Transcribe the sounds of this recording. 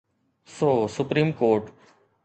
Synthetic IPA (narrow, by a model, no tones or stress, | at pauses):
soːsʊpɾĩːmkoːɾʈ